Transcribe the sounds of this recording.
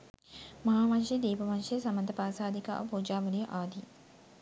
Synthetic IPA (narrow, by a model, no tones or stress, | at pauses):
mɐɦaːmɐnʃed̪iːpɐʋɐnʃejəsɐmɐnd̪ɐpaːsaːd̪ika̰ːʋɐpuːd͡ʒaːʋɐlijɐʔaːd̪ʱi